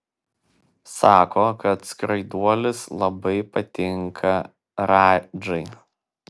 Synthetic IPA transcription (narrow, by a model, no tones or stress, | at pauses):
sɑːkoːkɐt̪skɾɐɪd̪uɔlʲɪslˠɐbɐɪpɐt̪ʲɪŋkʰɐ | ɾɑːd͡ʒɐɪ